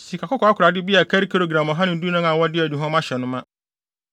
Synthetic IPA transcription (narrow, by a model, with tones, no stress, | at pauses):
si˨kʰa˨kʊ˦kɔ˨˦a˦kʰʷɾa˨dɪ˦bi˦a˨kʰa˦ɾi˦kʰa˦ɾo˨ɡɾã˨mɔ˨ɦã˦nɪ̃˨n̩˦du˦nã˦ŋã˨wɔ˦dɪ˦æ˨dũ˨ɦɔ̃˦m˦ã˦ɕɛ˨nʊ̃˦mã˦